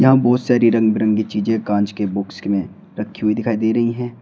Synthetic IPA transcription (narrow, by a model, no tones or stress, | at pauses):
jɐɦãbɔːt̪saːɾiɾɐ̃ŋɡbɾɐ̃ŋɡit͡ʃiːd͡ʒẽkãːd͡ʒkebʊkskmẽ | ɾɐkʰːiɦuid̪ɪkʰaːid̪eːɾɐɦiɦɛ̃ː